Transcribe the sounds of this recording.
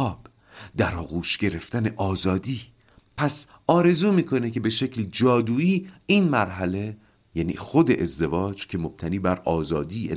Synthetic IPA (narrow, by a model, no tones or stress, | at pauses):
ɒːb̥ | d̪æɾɒːɣuːʃɟe̞ɾe̞ft̪æne̞ʔɒːzɒːd̪iː | pʰæs | ɒːɾe̞zuːmiːkʰo̞necʰe̞be̞ʃe̞cʰliːd͡ʒɒːd̪uːiːinmæɾɦæle̞ | jænḭːxo̞d̪e̞ʔezd̪e̞vɒːd͡ʒcʰe̞mo̞b̥̚t̪ʰæniːbæɾɒːzɒːd̪iːe